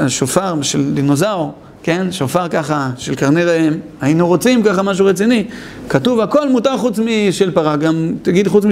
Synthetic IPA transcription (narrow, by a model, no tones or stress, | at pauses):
aʃofaʁʃeld̪inozaoʁ | ke̞nʃofaʁkaχaʃelkaʁnedaem | ainuʁo̞t͡simkaχamaʃ̬uʁet͡sini | katuvako̞lmutaʁχut͡smiʃelpaʁaɡamt̪aɡid̪χut͡smi